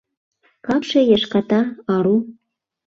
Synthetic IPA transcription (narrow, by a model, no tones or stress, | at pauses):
kɑpʃĕjeʃkɑt̪ɑɑɾu